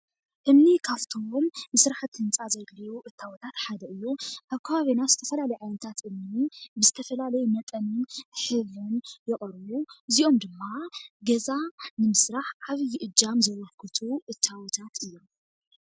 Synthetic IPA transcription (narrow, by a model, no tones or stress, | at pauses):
ʔɨmnikʰaft̪ʰomːɨsɾaħt̪ʰhɨnt͡sʼazɐjɡlijuʔɨt̪ʰːawɔt̪ʰat̪ħad̪ɐʔɨjːuʔaβkʰɐβaβenat̪z̥ɨt̪ʰɐfɐlalɐjʕajnɨt̪ʰat̪ʔɨmnibɨzɨt̪ʰɐfɐlalɐjumɐt̪ʼɐnɨnħɨβɨnjɪχʼɾβuɨziʔo̞md̪ɨmːaɡɐzanɨmɨsɾaħʕaβjɪʔɨd͡ʒːamzɐwɔkʰːɨt̪ʰuʔɨt̪ʰːawɔt̪ʰat̪ʰɨjːo̞m